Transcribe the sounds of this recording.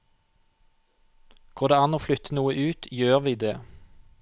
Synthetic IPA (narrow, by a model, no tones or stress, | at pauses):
ɡ̥oːd̪eːɑːnoːflʏt̪ʰənuːəʔʉːt̪jøːʁʋiːd̪eː